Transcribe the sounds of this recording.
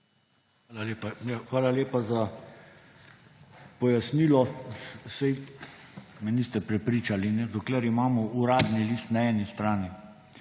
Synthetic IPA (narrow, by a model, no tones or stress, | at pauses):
ʋaːlaleːpajaxʋaːlaleːpaza | pɔjasniːlɔsɛj | mɛniːst̪ɛpɾɛpɾiːt͡ʃalinɛd̪ɔklɛɾimaːmɔʔuɾaːd̪niliːst̪naɛːnist̪ɾaːni